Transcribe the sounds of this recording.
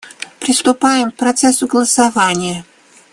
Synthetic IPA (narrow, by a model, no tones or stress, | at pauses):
pɾʲɪst̪ʊpajɪmk̚pɾɐt̪sɛsʊɡəlˠəsavanʲɪjə